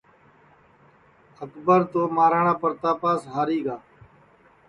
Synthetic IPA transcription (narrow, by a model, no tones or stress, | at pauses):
əkbəɾt̪oːmaːɾaːɳãːpəɾt̪aːpaːsɦaːɾiːɡaː